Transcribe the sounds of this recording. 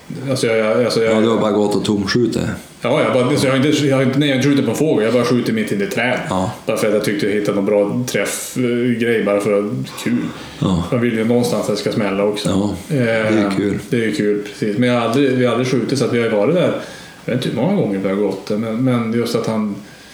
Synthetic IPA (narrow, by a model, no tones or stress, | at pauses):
alsɔjɑalsɔjɑd̪ɛhabɑːɾaɡɔt̪ːɔt̪ʰːʊmɧʉːt̪ə̰ | jɑːjɑhabɑɾaasɔjɑhaɾɪnt̪əjhaɾɪnt̪ənɛɪjahaɪnəʂɧʉːt̪ɪt̪̚pɔɛnfɾoːɡajɑhbɑːɾaɧʉ̟ːt̪ɪt̪mɪt̪ʰːɪnɪt̪ʰɾɛːb̥ɑːɾafœɾat̪jat̪ʰʏk̚t̪əhɪt̪ːanɔnbɾɑːt̪ʰɾɛf | ɡɾɛjːbɑːɾafœɾɔkʰʉːl | manvɪlːəjənɔnst̪ansat̪ːɛskasmɛlːaɔksɔ | ɛkʰʉːld̪ɛːɾjɵkʰʉːlpʰɾɛ̥siːsmɛnjahaɾald̪ɾɪvɪhaald̪ɾɪɧʉ̟ːt̪ɪt̪sat̪vɪhajʉvɑːɾɪt̪d̪æɾ | jvḛːɪnt̪ːmɔŋːaɡɔŋːəɾvɛhaɡɔt̪ːd̪ɛmɛnmɛnjɵst̪at̪han